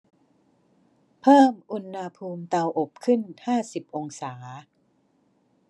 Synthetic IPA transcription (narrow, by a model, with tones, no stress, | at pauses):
pʰɤː˥˩mʔu˧nha˧pʰuː˧mt̪a˧wʔo˨˩p̚kʰɯ˥˩nhaː˥˩si˨˩p̚ʔo˧ŋsaː˩˦